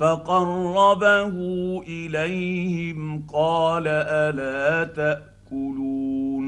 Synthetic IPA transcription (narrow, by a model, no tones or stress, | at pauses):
fɑqɑrˤːɑbahʊʔɪlajhɪmqɑːlaʔalaːt̪aʔ | kʊluːn